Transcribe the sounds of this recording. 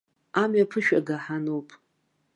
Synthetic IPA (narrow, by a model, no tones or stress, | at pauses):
amɥapʰɨʃᶣaɡaħanowpʼ